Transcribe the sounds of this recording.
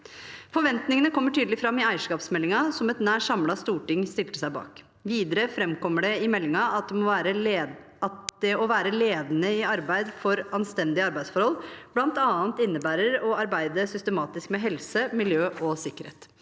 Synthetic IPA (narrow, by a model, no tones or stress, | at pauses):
fɔɾʋɛnt̪nɪŋənəkʰɔmːəʈʰyːd̪əlɪfɾɑmːɪæɪəʂkɑːpsmɛlɪŋɑsɔmɛt̪næːʂɑmlɑst̪uːʈɪŋst̪ɪlt̪əsæɪbɑ̰ːk | ʋiːd̪əɾəfɾɛmkɔmːəɖɛɪmɛlːɪŋɑɑt̪̚d̪ɛmɔʋæːɾə | ɑt̪̚d̪ɛɔʋæːɾəleːd̪nəɪɑɾbæɪd̪fɔɾɑnst̪ɛnd̪ɪəɑɾbæɪsfɔɾhɔlb̥lɑnt̪ɑːnt̪ɪnːəbæːɾəɾɔɑɾbæɪd̪əsʏst̪əmɑːt̪ɪskmɛɦɛlsəmɪljøːʔɔsɪkːəɾhḛːt̪